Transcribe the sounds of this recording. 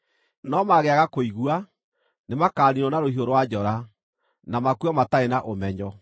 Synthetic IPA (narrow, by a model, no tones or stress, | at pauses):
nɔmaɣeaɣakoiɣwa | nemakaːɾiɾɔnaɾohioɾowad͡ʒɔɾa | namakuɔmataenaʔomɛɲɔ